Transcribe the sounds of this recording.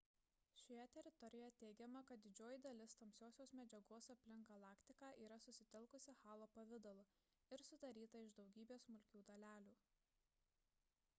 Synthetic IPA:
ʃʲojɛt̪ʲɛɾʲɪt̪ɔɾʲɪjɔjɛt̪ʲɛɪɡʲɛmɐkɐt̪̚d̪ʲɪd͡ʒʲoːjɪd̪ɐlʲɪst̪ɐmʲsʲoːsʲoːsmʲɛd͡ʒʲɛɡoːsɐpʲlʲɪŋɡɡɐlˠɑːkt̪ʲɪkɑːʔiːɾɐsʊsʲɪt̪ʲɪlˠkʊsʲɪxɑːlˠopɐʋʲɪd̪ɐlˠʊ | ɪɾsʊd̪ɐɾʲiːt̪ɐɪʒd̪ɒʊɡʲiːbʲeːsmʊlʲkʲuːd̪ɐlʲæːlʲuː

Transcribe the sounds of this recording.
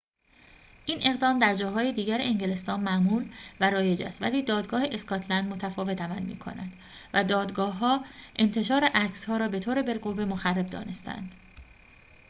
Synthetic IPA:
ʔiːnʔe̞ɣd̪ɒːmd̪æɾd͡ʒɒːɦɒːjed̪iːɟæɾeeŋɟele̞st̪ɒːnmæʔmuːɾvæɾɒːje̞d͡ʒæ̰ːst̪væ̰liːd̪ɒːd̪ɡɒːheʔeskɒt̪ʰlænd̪mo̞t̪ʰæfɒːve̞t̪ʰæmælmḭːkʰo̞̰næ̰d̪̥ | væd̪ɒːd̪ɡɒːɦɒːʔe̞nt̪ʰe̞ʃɒːɾeʔæcshɒːɾɒːbe̞t̪ʰoːɾebe̞lɢovːe̞moxærːe̞b̚d̪ɒ̰ːne̞st̪ʰæ̰nd̪̥

